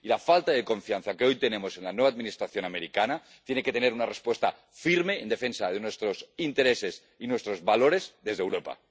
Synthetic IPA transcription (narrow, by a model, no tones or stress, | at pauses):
ilafalt̪aðe̞koɱfianθake̞o̞jt̪e̞ne̞mose̞nlanwe̞βad̪minist̪ɾaθjo̞nameɾikana | t̪je̞neket̪e̞ne̞ɾunarespwe̞st̪a | fiɾme̞ːnd̪e̞fe̞nsað̞enwe̞st̪ɾo̞sint̪e̞ɾe̞ses | inwe̞st̪ɾo̞zβalo̞ɾe̞zðe̞zðewɾo̞pa̰